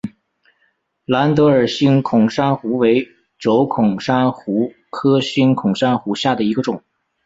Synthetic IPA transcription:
la˧˥nt̪ɤ˧˥ə˞˨˩ɕi˥nkʰʊ˨˩ŋʂa˥nxu˧˥we˧˥ɪ | ʈ͡ʂo˧˥ʊkʰʊ˨˩ŋʂa˥nxu˧˥ | kʰɤ˥ɕy˥nkʰʊ˨˩ŋʂa˥nxu˧˥ɕja˥˩d̪ə˩i˧˥ɡə˧ʈ͡ʂʊ˨˩˦ŋ

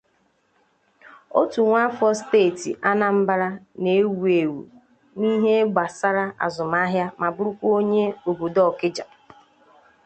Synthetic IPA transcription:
o˦tu˨ŋʷa˦fɔ˦steː˦˨tḭ˨ʔa˦na˦m̩˦ba˦ɾa˦ | ne˨e˦wu˨e˨wṵ˨ | ni˦ɦe˦ɡ͡ba˨sa˦ɾa˦a̰˨zʊ˨m˦a˦ɦja˦ma˨bʊ˦ɾu˦kʷu˦o˦ɲe˦o˨bo˨dɔ˦˨kɪ˦d͡ʒa˨

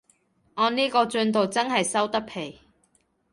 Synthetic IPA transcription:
ŋɔː˨˧niː˥kɔː˧t͡ʃɵ˧nt̪̬o˨wt͡sɐ˥nɦɐ˨jsɐ˥wt̪ɐ˥k̚pʰe˨˩j

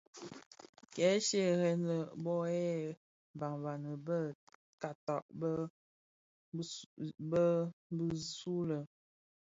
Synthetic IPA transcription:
kɛ˨˦ʃe˦˨ɣɛ˨nlə˨bɔ˦ɛ˦˨ | ba˨ŋva˨nə˨bə˦˨ | ka˨ta˨ʔb | bə˦bi˦su˦lə˨

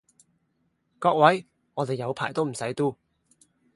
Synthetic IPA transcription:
kɔː˧k̚wɐ˨˥j | ŋɔː˨˧t̪e˨jːɐ˨˧wpʰaː˨˩jt̪o˥wm̩˨˩sɐ˨˥jt̪uː˥

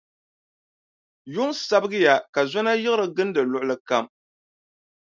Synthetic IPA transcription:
jʊ˦ŋsa˦bɨ˦ɡɨ˦ja˨ka˨za˦na˦jɪ˦ɣɨ˦ɾɨ˨ɡɨ˦n˦dɨ˨lʊ˦˨ʔʊ˦lɨ˦ka˦m

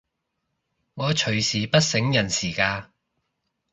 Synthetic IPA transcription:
ŋɔː˨˧t͡ʃʰɵ˨˩ɥsiː˨pɐ˥t̚sɪ˨˥ŋjɐ˨˩nsiː˨˩kaː˧

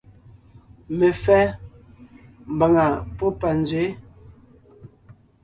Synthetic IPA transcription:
me˨fɛ˦ | m̩˨ba˨ŋa˨po˦pa˨n˦d͡zɥwe˨˦

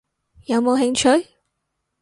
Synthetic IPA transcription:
jɐ˨˧wmo˨˧wɦɪ˧˥ŋt͡ʃʰɵ˨˥j

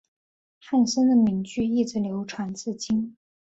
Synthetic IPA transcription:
xa˥˩nʂə˥nd̪ə˨mi˧˥ŋt͡ɕy˥˧i˥˩ʈ͡ʂ̩˥˩ljo˧˥ʊʈ͡ʂʰwa˧˥nt͡sɹ̩˥˩t͡ɕi˥ŋ

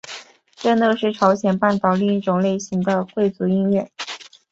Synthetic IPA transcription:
ʈ͡ʂɤ˥˧nɤ˥˧ʂɻ̩˥˩ʈ͡ʂʰɑ˧˥ʊɕjɛ˨˩npa˥˩nt̪ɑ˨˩ʊli˥˧ŋi˥˩ʈ͡ʂʊ˨˩ŋle˥˩ɪɕi˧˥ŋd̪ə˧kwe˥˩ɪt͡su˧˥i˥˧nɥɛ˥˩n

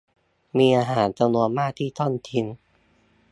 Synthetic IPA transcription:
miː˧ʔaː˧ɦaː˩˦nt͡ɕa˧mnu˧ənmaː˥˩k̚t̪ʰiː˥˩t̪ʰɔ˥˩nt̪ʰi˧ŋ

